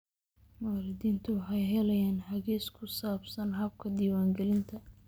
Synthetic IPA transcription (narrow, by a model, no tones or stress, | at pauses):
maːɾɪd̪iːnt̪ʰʊwɑħɑjɦɛlɛjaːnhɐɣɛːskʰʊsaːbsɐnɦɐb̚kʰɐd̪iːwaːŋɡɛlɪnt̪ʰɐ